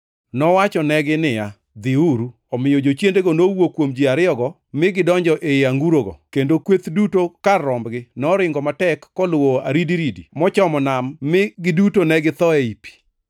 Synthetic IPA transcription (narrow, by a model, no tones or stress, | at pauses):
nɔwat͡ʃɔnɛɡɪnɪja | d̪ɪuɾu | ɔmɪjɔd͡ʒot͡ʃjendeɡɔnowokwomd͡ʒiaɾɪɔɡɔ | mɪɡɪdɔɲd͡ʒɔʔeaŋɡuɾoɡɔ̰kendokwet̪dutokarːɔmbɡɪnɔɾɪŋɡɔmatɛkːɔlwoaɾidiɾidimɔt͡ʃɔmɔnamːɪɡɪdutonɛɡɪt̪ɔeipi̥